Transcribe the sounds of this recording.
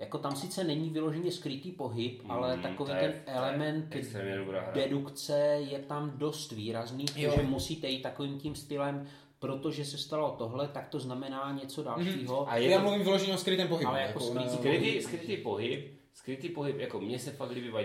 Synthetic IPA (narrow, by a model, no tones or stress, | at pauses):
jako̞t̪amsɪt͡sɛnɛɲivɪlo̞ʒɛɲɛskɾɪt̪iːpo̞ɦɪpʔalɛt̪akoviːt̪ɛnʔɛlɛmɛnt̪ɛst̪ɾɛːmɲɛdobɾa̰ːɾdɛdukt͡sɛjɛt̪amdo̞st̪viːɾazniːoʒɛmusiːt̪ɛjiːt̪ːako̞viːmcimst̪ɪlɛm | pɾo̞t̪o̞ʒɛsɛst̪alo̞t̪o̞ɦlɛt̪akt̪o̞znamɛnaːɲɛt͡so̞dalʃiːɦoajɛjaːmluvimvɪloʒɛɲɛoskɾɪt̪ɛːmpoɦɪalɛjaakosɾɪiɾɪt̪iskɾɪt̪iːpoɦɪp̚ | skɾɪt̪iːpoɦɪpjakomɲɛsɛfaɡdɪbɪva